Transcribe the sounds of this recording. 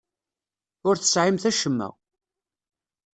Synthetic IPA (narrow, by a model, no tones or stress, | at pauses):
ʊɾθə̥sʕimθæʃəmːæ̰